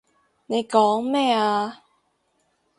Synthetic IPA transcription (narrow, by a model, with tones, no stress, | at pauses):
ne˨˧jkɔː˨˥ŋmɛː˥˩aː˧